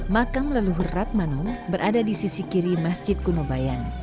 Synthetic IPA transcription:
makamlaluɦurat̪̚manɔnbəɾʔadadisisikiɾimasd͡ʒɪt̪̚kunubajan

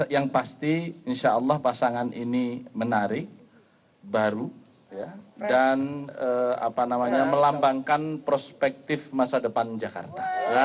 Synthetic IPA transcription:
jaŋpast̪iinʃaʔəlːɑhpasaŋanʔinimənaɾɪk̚ | baɾu | jadanəa̰panamaɲaməlambaŋkanpɾospɛk̚t̪ɪfmasadəpand͡ʒaka̰rt̪a

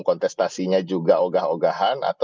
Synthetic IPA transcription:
ŋkɔnt̪ɛst̪asiɲad͡ʒuɡaʔoɡahoɡaɦana̰t̪

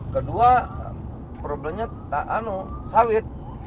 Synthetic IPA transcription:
kədua | pɾoblɛmɲa | t̪aʔanusawɪt̪̚

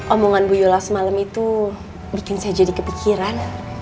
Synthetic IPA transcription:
ʔomoŋanbujolasəmaləmit̪u | bikɪnsajad͡ʒadikəpikʰiɾan

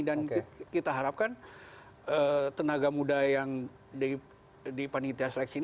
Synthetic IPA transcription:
dankit̪aɦaɾap̚kan | ət̪ənaɡamudajaŋ | di | dipanit̪iaslɛksin

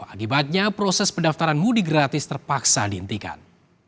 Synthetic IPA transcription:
akibat̪̚ɲapɾosɛspədaft̪aɾanmudiɡɾat̪ɪst̪ərpaksadihənt̪ika̰n

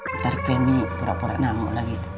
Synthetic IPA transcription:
t̪aɾkɛnipuɾaʔpuɾa̰ʔnaŋo̰ʔlaɡi

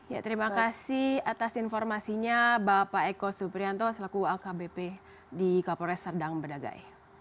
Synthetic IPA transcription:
ja̰t̪əɾimakasihat̪asinfɔrmasiɲabapaekɔsupɾiant̪ɔsəlakuakabepe | dikapɔɾɛsərdaŋbədaɡa̰j

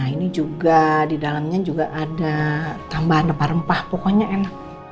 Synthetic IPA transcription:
inid͡ʒuɡadidalamɲad͡ʒuɡaʔːdat̪ambaɦanəpaɾəmpahpɔkoɲaenak̚

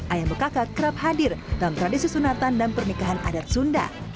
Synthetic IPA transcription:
ʔajabəkakat̪̚kəɾap̚hadɪrdalamt̪ɾadisisunat̪andanpərnikaɦana̰dat̪̚sunda̰

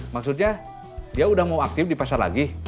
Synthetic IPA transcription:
maksut̪̬̚ɲa | diaudahmauak̚t̪ɪfdipasarla̰ɡi

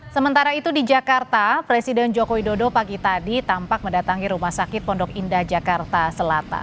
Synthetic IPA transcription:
səmənt̪aɾait̪udid͡ʒakart̪apɾesidɛnd͡ʒokowidodopaɡit̪adit̪ampak̚məndat̪aŋiɾumahsakɪt̪̚pɔndɔkindad͡ʒakart̪asəlat̪a̰n

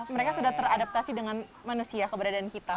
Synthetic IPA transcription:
məɾekasudaht̪əɾadap̚t̪asidəŋan | manusiakəbəɾadaːnkit̪a

